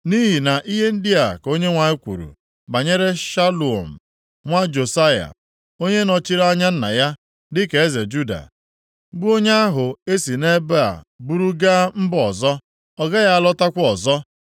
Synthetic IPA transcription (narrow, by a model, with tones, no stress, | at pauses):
ni˦ɦi˨na˨ʔi˦ɦe˦n̩˦dɪ˦a˨ko˦ɲe˦ŋʷa˨e˦kʷṵ˨ɾṵ˨ | ba˨ɲe˦ɾe˦ʃa˦lu˨o̰˨m̩˨ | ŋʷa˦d͡ʒo˨sa˦ja̰˨ | o˦ɲe˦nɔ˨t͡ʃi˦ɾa˦ɲa˦n̩˦na̰˨ja˦ | dɪ˦ke˨e˦ze˨d͡ʒu˦da̰˨˦ | bu˦o˦ɲ˦a˦ɦʊ˨e˦si˨ne˦ba̰˨ | bu˦ɾu˦ɡa˦m̩˦bɔ˨zɔ˦ | ɔ˦ɡa˦ja˦lɔ˦ta˦kʷʊ˦ɔ˨zɔ˦